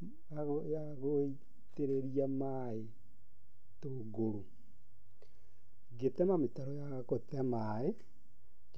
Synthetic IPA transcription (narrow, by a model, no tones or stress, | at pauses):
aja | ɣoi | teɾeɾiama | e | toːɡoɾo | ɡetɛmametaɾɔja | kotɛma | e